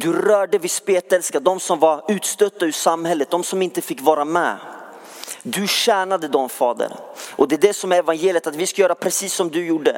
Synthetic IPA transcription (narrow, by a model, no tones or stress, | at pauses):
d̪ɵɾœːɖəvɪspeːt̪ɛlskad̪ɔmsɔmvaɾʉ̟ːt̪st̪œt̪ːaʉʂamːhɛlːət̪̚d̪ɔmsɔmɪnt̪əfɪkːvɑːɾamɛ̰ | d̪ɵɕæːɳad̪əd̪ɔmfɑːd̪ə̰ɾʔɔd̪ɛd̪ɛsɔmɛvanjeːljət̪at̪vɪskajœːɾapʰɾɛsiːsːɔmd̪ɵjuːɖːə